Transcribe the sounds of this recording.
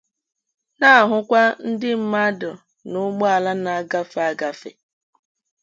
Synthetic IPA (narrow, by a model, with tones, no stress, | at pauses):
na˦a˨ɦʊ˨kʷa˦n̩˦dɪ˦m̩˦ma˦dʊ˨ | nʊ˦ɡ͡bɔ˦a˨la˦na˨˦ɡa˦fa˦ɡa˨fḛ˨